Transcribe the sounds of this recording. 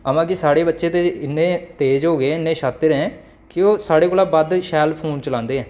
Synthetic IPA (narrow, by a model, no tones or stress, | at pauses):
əmãːkɪsaːɽeːbətːʃeːt̪eːɪnːẽːt̪eːd͡ʒɦoːɡeːɪnːẽːʃaːt̪ːɪɾɛ̃ː | kɪoːsaːɽeːkoːlaːbad̪ʃɛːlpʰoːnt͡ʃəlãːnd̪eːɦɛ̃ː